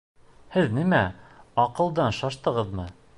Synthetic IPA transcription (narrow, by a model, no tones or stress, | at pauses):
hɘðnimæɑqɤ̆lˠd̪ɑnʃɑʃt̪ɤ̆ʁɤðmɤ